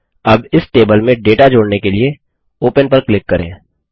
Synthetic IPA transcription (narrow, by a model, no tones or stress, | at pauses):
ɐbɪsʈeːbəlmẽɖeːʈad͡ʒoːɽnekelie | oːpənpɐɾklɪkːɐɾḛ̃ː